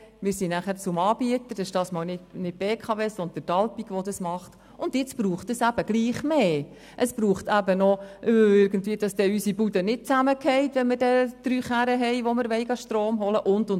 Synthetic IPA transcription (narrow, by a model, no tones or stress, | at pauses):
mɪːɾsinæχæɾt͡sʊmɑːb̥iətəɾd̥ɛʃd̥ɑːsmɑːlnɪtnɪt̚b̥eːkʰɑʋeːsɔnd̪əd̥ɑlpiɡʋɔdɑsmɑχt | ʊndjɪt͡sb̥ruːχtəsæb̥əɡ̥liːχmeː | ʔəsb̥ruːχtæbənɔʔøɪɾɡən̩tviːəd̥ɑsd̥ɛysibudənɪt̚t͡sæməkʰɛɪtʋɛnmɪrdɛd̪̥ɾyːχæɾəɦɛɪʋɔmɪɾʋɛɪɡɑʃtɾroːmɦɔləʔʊndʊn